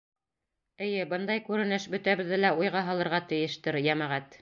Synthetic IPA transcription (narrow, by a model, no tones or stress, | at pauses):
ɘ̆jɘbɤnd̪ɑjkʉɾɘ̆nɘʃbɵ̆t̪æβɘ̆ðːɘlæujʁɑɦɑlˠɤ̆ɾʁɑt̪ɘ̆jɘ̆ʃt̪ɘɾjæmæʁæt̪